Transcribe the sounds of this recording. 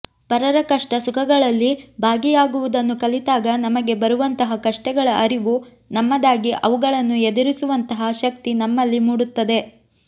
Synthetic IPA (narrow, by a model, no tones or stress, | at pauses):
pɐɾɐɾɐkɐʂʈɐsukʰɐɡɐɭɐlːibʱaːɡijaːɡuʋud̪ɐnːukɐlit̪aːɡɐnɐmɐɡe̞bɐɾuʋɐnt̪ɐɦɐkɐʂʈɛɡɐɭɐʔɐɾiʋu | nɐmːɐd̪aːɡiʔɐʋuɡɐɭɐnːued̪iɾisuʋɐnt̪ɐɦɐʃɐk̚t̪inɐmːɐlːimuːɽut̪ːɐd̪e̞